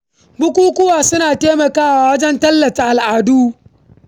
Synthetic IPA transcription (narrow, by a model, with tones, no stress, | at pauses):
ɡ͡bʊ˦kʷuː˦kʷʊ˦waː˨sʊ˦naː˨teː˦mɐ˨kaː˦waː˨wɐ˦d͡ʒɛ˦ntɐ˦lːɐ˨ta˨ʔa˨lʔaː˨duː˦